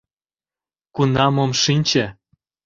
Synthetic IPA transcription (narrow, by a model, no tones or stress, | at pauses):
kunɑmɤ̆mʃinʲt͡ɕe